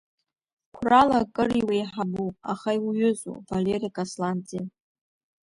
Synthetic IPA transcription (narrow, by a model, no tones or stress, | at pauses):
kʷʰralakʼɨriwejħabuaχajwjʏzṵvalerikʼaslant͡sʼi